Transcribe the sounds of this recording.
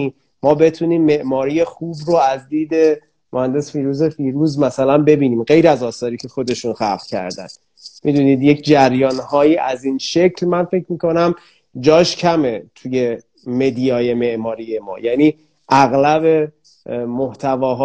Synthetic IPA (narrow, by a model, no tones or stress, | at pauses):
i | mɒːbe̞t̪ʰuniːmːe̞ʔmɒːɾiːje̞xuːbroæzd̪iːd̪e̞ | mohænd̪e̞sfiːɾuzefiːɾuːzmæsælænbe̞biːniːmɢe̞jɾæzɒːsɒːɾiːcʰe̞xo̞d̪e̞ʃunxæfcʰæ̰ɾd̪æ̰nd̪ | mid̪uːniːd̪je̞cʰd͡ʒæɾjɒːnhɒːjiːʔæziːnʃe̞cʰlmænfe̞c̚ʰmiːkʰo̞næm | d͡ʒɒːʃcʰæme̞t̪ʰuje̞ | me̞d̪ijɒːje̞meʔmɒːɾiːjemɒ̰ːjæniː | ʔæɣlæbe̞ | moht̪ʰævɒːɦː